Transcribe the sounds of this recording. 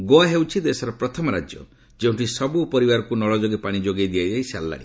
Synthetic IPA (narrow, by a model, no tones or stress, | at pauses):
ɡoaɦewt͡ʃʰid̪esɔɾɔpɾɔt̪ʰɔmɔɾad͡ʒjɔ | d͡ʒeũɳʈisɔbupɔɾibaɾɔkunɔɭɔd͡ʒoɡepaɽ̃id͡ʒoɡed̪iad͡ʒaisa̰lːa̰ɽḭ